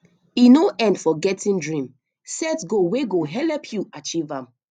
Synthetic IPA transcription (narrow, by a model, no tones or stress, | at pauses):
inoʔɛ̃ndfɔɡɛtʰĩndɹĩm | sɛtɡoweɡoɦɛlɛpʰjuat͡ʃivãm